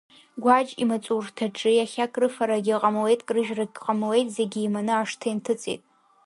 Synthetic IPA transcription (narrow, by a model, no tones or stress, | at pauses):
ɡʷad͡ʒʼḭmat͡sʼurtʰaʈ͡ʂʰʼɨjaχʲakʼrɨfaɾaɡʲiqʼamwejtʼkʼrɨʒraɡʲqʼamwe̞jtʼzeɡʲiːmanɨaʂtʰajmtʰɨt͡sʼḛjtʼ